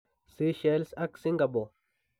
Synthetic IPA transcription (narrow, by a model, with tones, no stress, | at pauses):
si˦ʃe˨˦lsa˦ksi˦ŋɡa˨bo˨